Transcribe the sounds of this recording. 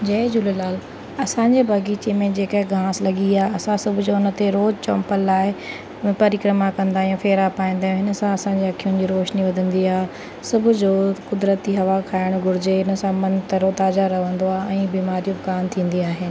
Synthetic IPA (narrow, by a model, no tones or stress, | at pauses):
d͡ʑɐd͡ʑʊləlaːl | ɐsãːɲd͡ʑebʱɐɡiːt͡ɕemẽd͡ʑeːkəɦɪɡʱãːslɐɠiaːɦɐsãsɐbʱʊd͡ʑoʊnə̆t̪eɾoːd͡ʑt͡ɕɔ̃ːmpəlːaːɪ | pɐɾɪkɾəmakɐ̃nd̪aːijũfeːɾapaːĩnd̪aːɦjũɦɪnə̆sãɐsãɲd͡ʑeɐkʰijʊnɪ̆d͡ʑiːɾoːʃniʋɐd̪ʱə̃nd̪iaːɦ | sʊbʱʊd͡ʑoːkʊd̪ɾət̪iɦɐʋakʰaːɪɽ̃ɡʱʊɾɪd͡ʑeɦɪnəsãmɐ̃nt̪ɐɾot̪aːzaɾɐɦʋə̃nd̪oaːɛ̃ːbiːmaːɾijũbɪkaːmt̪ʰĩːn̆d̪iaːɦɪnɪ̆